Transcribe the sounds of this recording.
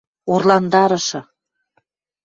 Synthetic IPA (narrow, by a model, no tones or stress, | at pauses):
orlɑnd̪ɑɾɤ̆ʃɤ̆